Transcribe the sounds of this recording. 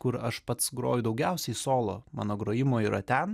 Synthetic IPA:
kʊɾɐʃpɐt̪sɡɾo̰ːjʊd̪ɒʊɡʲɛʊsʲɛisoːlˠo̰ːmɑ̰ːnoːɡɾoːjɪmoːiːɾɐt̪ʲɛn

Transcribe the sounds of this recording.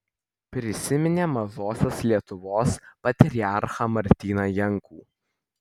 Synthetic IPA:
pʲɾʲɪsʲɪmʲɪnʲeːmɐzoːsʲɛslʲiɛt̪ʊʋoːspɐt̪ʲɾʲɪɑˑɾxɐmɐɾʲt̪ʲiːnɐjɛŋkuː

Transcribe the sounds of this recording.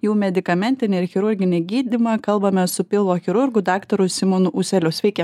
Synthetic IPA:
juːmʲɛd̪ʲɪkɐmʲɛnʲt̪ʲɪnʲɪɪɾxʲɪɾʊɾʲɡʲɪnʲɪɡʲiːd̪ʲimɐkɐlˠbɐmʲɛsʊpʲɪlˠʋoːxʲɪɾʊɾɡʊd̪ɑːkt̪ɐɾʊsʲɪmonʊʔuːsʲɛlʲʊsʲʋʲɛɪkʲɛ

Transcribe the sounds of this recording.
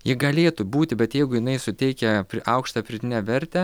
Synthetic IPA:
jɪɡɐlʲeːt̪ʊbuːt̪ʲɪbʲɛt̪jɛɪɡʊjɪnɐɪsʊt̪ʲɛɪkʲɛpʲɾʲɪʔɐʊkʃt̪ɐpʲɾʲɪd̪ʲɪnʲɛʋʲɛɾʲt̪ʲɛ

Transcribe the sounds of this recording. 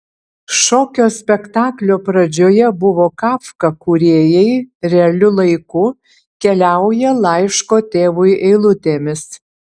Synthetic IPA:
ʃoːkʲoːsʲpʲɛkt̪ɑːklʲoːpɾɐd͡ʒʲoːjɛbʊʋoːkɑːfkɐkuːɾʲeːjɛɪɾʲɛɐlʲʊlˠɐɪkʊ | kʲɛlʲæˑʊjɛlˠɑˑɪʃkoːt̪ʲeːʋʊjʔɛɪlˠʊt̪ʲeːmʲɪs

